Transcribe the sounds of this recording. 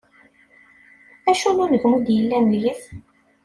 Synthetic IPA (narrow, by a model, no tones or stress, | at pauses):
æʃununəʝmud̪jəlːænəljiθ